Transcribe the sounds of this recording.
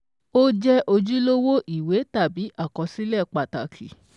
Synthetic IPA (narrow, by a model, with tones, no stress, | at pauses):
o˦d͡ʒɛ˦ʔo˧d͡ʒu˦lo˦wo˦ʔi˦˨we˨˦ta˦˨bi˨˦ʔa˦˨kɔ˨˧si˦lɛ˦˨k͡pa˨ta˨kʰḭ˨